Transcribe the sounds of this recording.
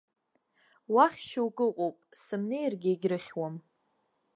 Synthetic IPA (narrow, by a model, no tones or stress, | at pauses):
waχʲʃawɡʼɨqʼopʼsɨmne̞jrɡʲɪeɡʲrɨχʲwam